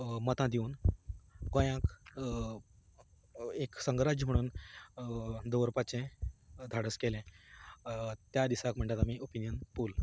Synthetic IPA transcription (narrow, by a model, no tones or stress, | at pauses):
mət̪ãd̪iuːn | kõjãk | eksəŋɡɾad͡ʑəm̤əɽ̃uːn | d̪oʋɾpat͡ɕẽd̪ʱaɽəskelẽ | t̪jad̪isakm̤əɳʈ̪at̪amiopinjənpuːl